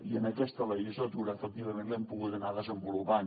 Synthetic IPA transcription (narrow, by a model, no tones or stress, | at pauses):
iənəkɛst̪əleʒəsət̪uɾəːfək̚t̪iβəmenlɛmpuɣut̪ənaðəzəmbulupan